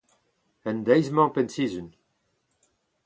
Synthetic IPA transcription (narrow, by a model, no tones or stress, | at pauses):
ɛnd̪ɛjzmɑ̃pɛnsizyn